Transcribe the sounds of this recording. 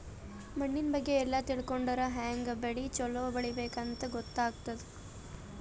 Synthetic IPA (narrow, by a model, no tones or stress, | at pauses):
mɐɳːinbɐɡːe̞ːlːɐt̪iɭkoɳɖɐɾɐɦaːŋɡɐbeɽit͡ʃɔloːbɐɭibeːkɐnt̪ɐɡɔt̪ːaːɡt̪ɐd̪u